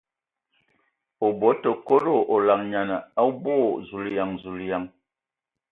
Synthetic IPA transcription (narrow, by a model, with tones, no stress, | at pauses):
o˨bo˨˦tə˨ko˦ɾo˦˨ʔo˨la˨ŋɲa˨nə˨a˦bo˦˨zu˨lja˨ŋzu˨lja˨ŋ